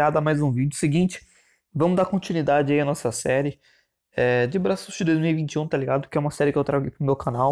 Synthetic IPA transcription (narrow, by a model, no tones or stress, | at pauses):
ad̪ɐmajzũvid͡ʒʊsɪɡĩnt͡ʃɪ̥ | vɐ̃mʊd̪akõnt͡ʃinwid̪ad͡ʒɪaiɐnɔsɐsɛɾɪ | ɛd͡ʒɪbɾasusd͡ʒɪd̪ojzmiwivĩnt͡ʃɪũt̪aliɡad̪ʊkɪɛũmɐsɛɾɪkɪewt̪ɾaɡejpɾʊmewkʰanaw